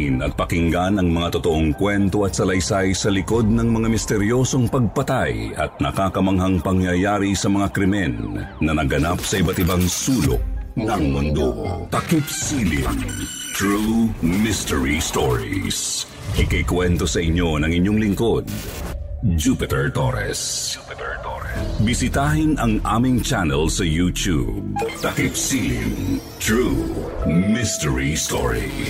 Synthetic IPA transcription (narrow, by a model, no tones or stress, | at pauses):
ɪnɐt̪̚pɐkɪŋɡanɐŋmɐŋat̪ot̪oʔoŋkwɛnt̪o̞ɐt̪̚sɐlɐjsajsɐlɪko̞d̪̚nɐŋmɐŋamɪst̪ɛɾjo̞so̞ŋpɐɡ̚pɐt̪ajɐ̰t̪̚nɐkaːkɐmɐŋɦɐŋpɐŋjɐjaːɾisɐmɐŋakɾɪmɛnːɐnɐɡɐnap̚sɐʔɪbat̪ɪbaŋsuːlo̰ʔ̚nɐŋmʊnd̪o̰k̪ɐkipsilɪ̰n | t̪ɹumɪst̪ɛɹist̪oɹḭs | ʔɪkɐjkwɛnt̪osɐʔɪɲːo̞nɐŋɪɲːo̞ŋlɪŋko̞d̪̚ | d͡ʒupɪt̪ɛɹt̪oɾɛ̰s | bɪsɪt̪aɦɪnɐŋʔa̰ːmɪŋt͡ʃanɛlsɐjut̪ubt̪ɐkɪpsilɪ̰nt̪ɹu | mɪst̪ɛɹist̪o̰ɹḭ